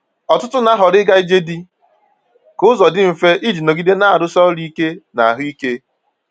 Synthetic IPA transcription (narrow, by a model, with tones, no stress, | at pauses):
ɔ˨tʊ˦tʊ˦na˦ɦɔ˨ɾɪ˦ɡa˦i˦d͡ʒe˦di˦ | kʊ˦zɔ˨dɪ˦m̩˨fe˦ʔi˦d͡ʒi˨no˨ɡi˦de˦na˦a˨ɾʊ˦sɔ˦li˦ke˦na˨ɦʊ˦i˦ke˦